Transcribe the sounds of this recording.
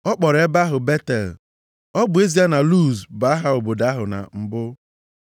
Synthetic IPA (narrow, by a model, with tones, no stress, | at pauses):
ɔ˦k͡pɔ˨ɾe˦ba˦ɦʊ˨be˦te˨l | ɔ˦bʊ˨˦e˦zi˦a˦na˨lu˦˨zba˨˦a˦ɦa˦o˨bo˨da˦ɦʊ˨na̰˨m̩˨bʊ˦